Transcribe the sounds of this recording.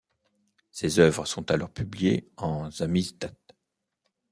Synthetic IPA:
sezœvʁəsɔ̃t̪alɔʁpyblijeɑ̃zamizd̪at̪

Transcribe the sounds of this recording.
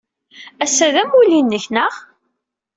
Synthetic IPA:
æsæðæmulinːəçnəʁ

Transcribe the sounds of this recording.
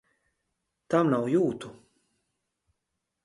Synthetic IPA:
t̪amnawjuːt̪u

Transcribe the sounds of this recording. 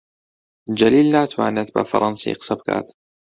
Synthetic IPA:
d͡ʒaliːlːat̪wa̰ːnat̪̚ba̰fɑ̰ɾˤɑnsḭːqsab̚ka̰ːt̪

